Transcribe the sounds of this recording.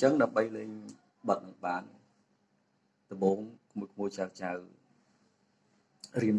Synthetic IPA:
ɲt͡ɕəŋɗaəmɓəjlɛːɲ | ɓɑt̪̚nɨŋɓaːn | t̪oɓoːŋkʰmukʰmuət͡ɕawt͡ɕaw | riəm

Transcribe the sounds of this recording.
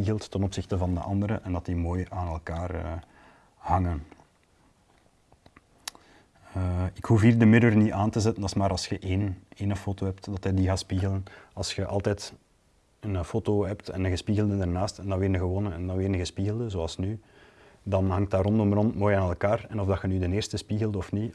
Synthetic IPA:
iɣəlˠtːənɔpsɪxtəvɑndə̰ʔɑ̰ndəɾəʔɛndɑtdimoːjaːnɛlˠkaːrə̰ | hɑŋən | əɪkhufɦiːrdəmɪdərniʔaːntəzɛtəndɑsmaːɾɑlˠsxəʔeːneːnəfoːtoɦɛptdɑtədiɣaːtspiːɣələnɑlˠsxəʔɑ̰lˠtɛːt | ənfoːtoɦɛptɛ̰nəɣəspiːɣəlˠdədarnaːstɛndɑnʋɪːɾdəɣəwoːnənɛndɑnʋɪːɾənəɣəspiːɣəlˠdəzoɑlˠsny | dɑnɦɑŋt̚daːrɔndɔmrɔntmoːjaːnɛlˠkaːrɛnɔvdɑxənydəneːrstəspiɣəlˠdɔfni

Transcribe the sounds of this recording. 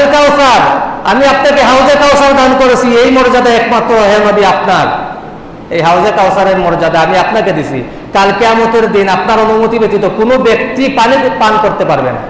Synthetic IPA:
kawsaɾa̰miapnakeɦawd͡ʑekawsaɾd̪ankoɾet͡ɕʰiejmɔɾd͡ʑad̪aɛkmat̪ːɾoɦenobiapnaɾ | ejɦawd͡ʑekawsaɾeɾmɔɾd͡ʑad̪aamiapnaked̪it͡ɕʰḭ | kalkeamot̪eɾd̪inapnaɾonumot̪ibet̪it̪okonobekt̪ipanipankoɾt̪epaɾbḛn

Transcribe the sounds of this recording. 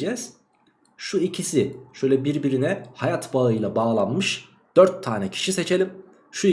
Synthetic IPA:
ɛz̥ | ʃuicʰisiʃø̞jlʲɛbiɾbiɾinɛhajat̪baɯjlˠabaːlˠanmɯʃ | d̪̥øɾt̪ʰːaːnɛcʰi̥ʃise̞t͡ʃʰe̞lʲim | ʃu

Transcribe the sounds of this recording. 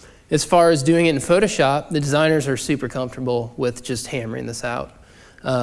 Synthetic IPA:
ɨz̥fɑɹɨzdʉɪ̃ŋɨɾn̩foʊɾoʊʃɑp̚ðɨdɨzãɪ̃nə˞zə˞sʉpə˞kʰʌ̃ɱftə˞bl̩ˠwɪðd͡ʒʌst̚hæ̃mə˞ɪ̰̃ŋðɪsaʊt̚

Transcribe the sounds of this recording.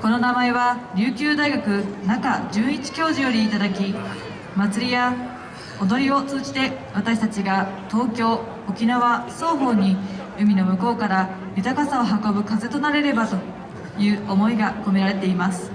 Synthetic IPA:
ko̞no̞namae̞βaɾʲɨːkʲɨːd̪aiɡakɯ̟nakad͡ʑɨːit͡ɕi̥kʲo̞ːʑijo̞ɾʲiːt̪ad̪akʲi | mat͡sɨɾʲija | od̪o̞ɾʲio̞t͡sɨːd͡ʑi̥t̪e̞βat̪aɕi̥t̪at͡ɕiɡat̪o̞ːkʲo̞ː | okʲinaβaso̞ːɦo̞ːɲ̟i | ɯmʲino̞mɯ̟ko̞ːkaɾa | mɯt̪akasao̞ɦako̞bɯ̟kaze̞t̪o̞naɾe̞ɾe̞bat̪o̞ | jɯ̟ːo̞mo̞iɡako̞me̞ɾaɾe̞t̪e̞imasɨ̥

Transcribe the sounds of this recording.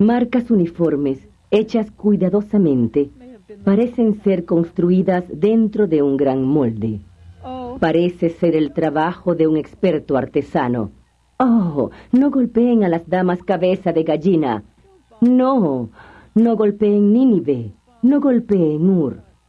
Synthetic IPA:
maɾkasunifoɾmes | et͡ʃaskujðaðosamẽnt̪epaɾesenseɾko̞nst̪ɾuiðazðe̞nt̪ɾoðeuŋɡɾaŋmold̪ḛ | paɾeseseɾelt̪ɾaβaxoðeuŋekspeɾt̪oaɾt̪esano̰ | onoɣo̞lpeːŋalazðamaskaβesaðeɣaʝina̰ | no | noɣo̞lpeːŋniniβe | noɣo̞lpeːŋuɾ

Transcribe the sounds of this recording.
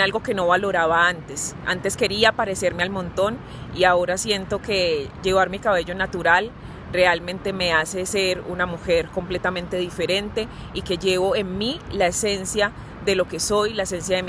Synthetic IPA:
alɡo̞ke̞no̞βalo̞ɾaβaant̪e̞sa̰nt̪e̞ske̞ɾiapaɾe̞seɾmealmõ̞nt̪o̞n | iao̞ɾasje̞nt̪o̞ke̞d͡ʒe̞βaɾmikaβe̞ʝo̞nat̪uɾal | re̞almẽ̞nt̪e̞me̞ase̞se̞ɾunamuxe̞ɾko̞mple̞t̪amẽ̞nt̪e̞ðife̞ɾe̞nt̪e̞ | ike̞ʝe̞βo̞e̞nmilae̞se̞nsja | ðe̞lo̞ke̞so̞jlaese̞ns̬jaðem

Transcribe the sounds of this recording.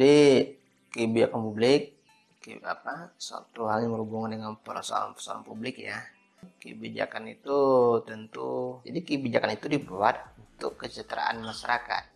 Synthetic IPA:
di | əbid͡ʒakanpublɪk̚ː | ə̰a̰pasa̰t̪uɦaŋɲŋəɾubuŋandəŋanpəɾa̰sa̰ɾa̰npəsa̰ɾa̰npublɪkja | kə̰bid͡ʒa̰kanit̪ut̪ənt̪ud͡ʒadikəbid͡ʒakanit̪udipuat̪̚unt̪ʊkːət͡ʃət̪əɾa̰ʔa̰nmaʃaɾaka̰t̪̚

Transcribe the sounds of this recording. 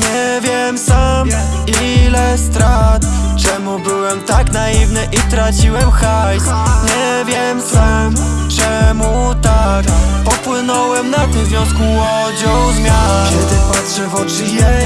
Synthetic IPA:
ɲɛvʲjɛmsam | ilɛst̪ɾat̪t͡ʂɛmubɘwɛmt̪aknaivnɘʔit̪ɾat͡ɕiwɛmxajsɲɛ | vʲjɛmsamm | t͡ʂɛmut̪akpɔpwɘnɔwɛmnat̪ɘmvʲjɔ̃w̃skuwɔd͡ʑɔwzmʲjakɛd̪patʂɘvɔt͡ʂɘjɛ

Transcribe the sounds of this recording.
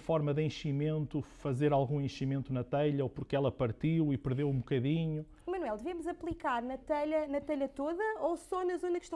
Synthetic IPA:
fɔɾmɐðẽʃimẽnt̪ufɐzeɾalˠɣũẽʃimẽnt̪unɐt̪ɛʎɐopuɾkɛlˠɐpɐɾt̪iwipɨɾðewũbukɐðiɲu | mɐnuwɛlˠd̪ɨvemuzɐplˠikaɾnɐt̪ɛʎɐnɐt̪ɛʎɐt̪oðɐosɔnɐzonɐkʃt̪ɐ̃

